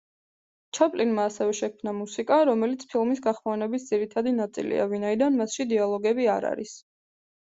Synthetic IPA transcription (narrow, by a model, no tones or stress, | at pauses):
t͡ʃʰapʼlinmaːsɛvɛʃɛkʰmnamusikʼaɾɔmɛlit̪sʰpʰilˠmisɡaχmɔnɛbis̬d̪z̥iɾit̪ʰad̪inat̪sʼḭlḭa̰vinaid̪anmasʃid̪ialˠɔɡɛbiaɾa̰ɾḭs